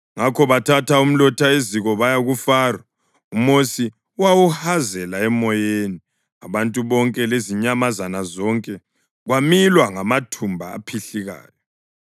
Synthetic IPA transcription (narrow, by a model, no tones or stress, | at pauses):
ŋakʰɔβatʰatʰaum̩lɔtʰaeziɣɔβajaɣufaːrwa | umosi | uwawuhazɛlaɛmɔjeni | aβantʼuβɔŋkʼɛleziɲamazanazɔŋkʼɛ | ɣwamilwaŋamatʰumbʱa̰ːpʰiɬiɣa̰ːjɔ